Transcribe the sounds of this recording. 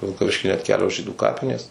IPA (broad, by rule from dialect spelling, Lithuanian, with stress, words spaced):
ʋʲɪlˠkɐˈʋʲɪʃʲkʲɪ nʲɛt ˈkʲæːlʲoːs ˈʒʲiːduː ˈkɑːpʲɪnʲeːs